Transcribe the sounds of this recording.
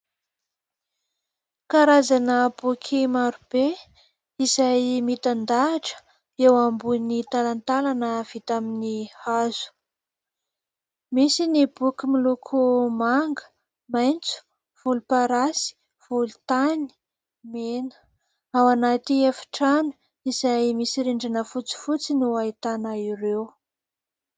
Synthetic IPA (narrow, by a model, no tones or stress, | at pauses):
kaɾazanəb̥ukʰimaɾub̥e | izajmit̪and̪aːʈ͡ʂə̥ | ewambunit̪alant̪alanəv̥it̪aminihaz̥u̥ | misinibukʲimilukʰumaŋɡə̥ | majnt͡su̥ | v̥ulupaɾasi̥ | v̥ulut̪ani̥ | menə̥ | awanat̪iefi̥ʈ͡ʂanu̥ | iz̥ajmisiɾeɳɖ͡ʐanəfut͡si̥fut͡sinuait̪anaiɾew